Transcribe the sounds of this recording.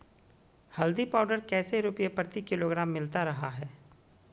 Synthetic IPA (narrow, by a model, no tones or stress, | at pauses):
hɐld̪ipaːʊɖəɾkɛːseɾupjepɾət̪ikɪloːɡɾaːmːɪlt̪aɾɐɦaɦɛː